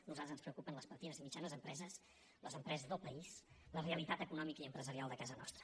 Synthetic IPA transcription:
nuzat̪ɾəzənspɾəukupənləspəɾt̪inəzimid͡ʒanəzəmpɾɛzəs | ləzəmpɾɛzəzðəlˠpəisləreəlit̪at̪əkunɔmikəiəmpɾəzəɾialˠd̪əkazənɔ̰st̪ɾə̥

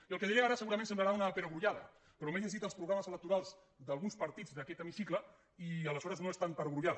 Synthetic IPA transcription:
iəlˠkeðiɾeaɾəsəɣuɾɐmẽnsemblaɾaunəpenəɣɾuʎaðə̰ | pɾɔmezezðit̪əlˠspɾuɣɾaməzələk̚t̪uɾalˠz | d̪əlˠɣunspəɾt̪id͡zd̪əkɛt̪emisiklə | iələzɔɾəznoest̪ampəɾɣɾuʎað

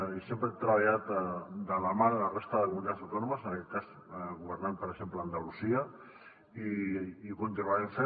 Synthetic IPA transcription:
isempɾət̪ɾəβaʎat̪d̪əlamalərest̪əðəkumunit̪atsawt̪ɔnuməsənɐkɛt̪̚kaz | ɣuβəɾnanpəɾəɡʒ̥empləːnd̪alusiə | iːkunt̪inuaɾense

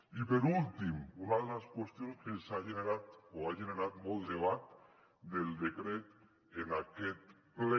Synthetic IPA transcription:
ipeɾult̪imunaðelaskwest̪jonskesaʒeneɾat̪oaʒeneɾat̪mold̪eβ̞at̪ | d̪eld̪ekɾet̪ | enaket̪ple

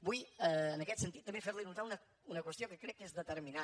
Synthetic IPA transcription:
bujɛnɐkɛt̪sẽt̪iðut̪ɐmẽj̃fejɾlˠinũt̪aɾunɐ | unɐkwɨʃt̪jɐ̃w̃kɨkɾejkẽsðɨt̪ɨɾmina

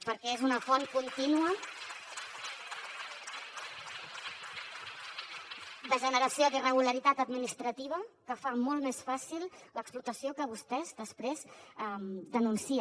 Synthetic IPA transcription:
pəɾkɛezunəfɔnkunt̪inuə | d̪əʒənəɾəsiod̪irəɣ̞uləɾit̪at̪əd̪minist̪ɾət̪iβ̞əkəfamɔlˠt̪mesfasilˠləksplut̪əsiokəβust̪ɛzd̪əspɾezɛmd̪ənunsi

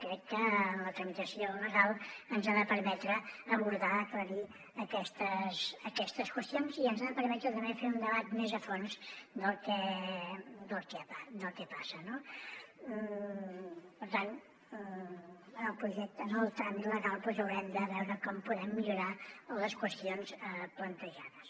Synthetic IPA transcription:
kɾɛkːələt̪ɾəmit̪əsionəɣalˠənzaðəpəɾmɛt̪ɾəːβuɾðaəkləɾi | əkɛst̪əzəkɛst̪əskwəst̪ionziənzaðəpəɾmɛt̪ɾut̪əmbefeɾund̪əβat̪mezəfonzd̪əlˠkɛ | d̪əlˠkɛpad̪əlˠkɛpasəno | pəɾt̪an | əlˠpɾuʒɛk̚t̪ənəlˠt̪aniləɣalˠpwɛzəwɾɛmd̪əβɛwɾəkɔmpuðɛmːiʎuɾaləskwəst̪ionzəplənt̪əʒaðəs

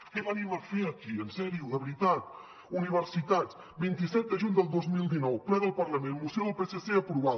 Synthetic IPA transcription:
kɛβəniməfeəkiənsɛɾiuðəβɾit̪at̪̚ | uniβ̞əɾsit̪at͡s | bint̪isɛt̪̚d̪əʒuɲd̪əlˠd̪ozmilˠd̪inɔwplɛɣəlˠpəɾləmẽnmusɛwəlˠpeseseəpɾuβa

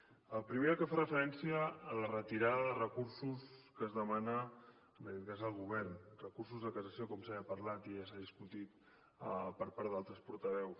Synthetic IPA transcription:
əlˠpɾimeəkəfarəfəɾɛnsiəːlərət̪iɾaðəðərəkuɾsuskəzðəmanə | əməðit̪kazəlˠɣuβɛɾnrəkursuzðəkəsəsiokɔmsaəpəɾlat̪iasaðiskut̪it̪ | pəɾpaɾðalˠt̪ɾəspuɾt̪əβɛws

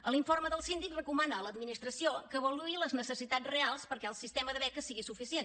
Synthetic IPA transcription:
əlˠiɱforməðəlˠsind̪ikrəkumanəːləd̪minist̪ɾəsiokəːβəluiləznəsəsit̪add͡zrealˠspəɾkɛəlˠsist̪eməðəβɛkəsiɣisufisien

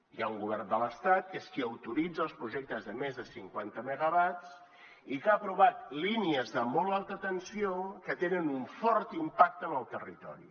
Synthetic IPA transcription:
iauŋɡuβɛrnd̪ələst̪at̪̚keskiəwt̪uɾid͡zəːlˠspɾuʒek̚t̪əzðəmezðəsiŋkwant̪əməɣəβat͡s | ikapɾuβat̪liniəzðəmɔlˠalˠt̪ət̪ənsiokət̪enənuɱfɔrt̪impak̚t̪ənəlˠt̪ərit̪ɔ̰ɾḭ

